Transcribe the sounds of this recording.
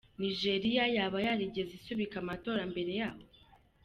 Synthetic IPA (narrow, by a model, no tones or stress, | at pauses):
niʒe̞ɾijajaːβajaɾiɟe̞zisuβikamato̞ːɾambe̞ɾe̞jaːho̞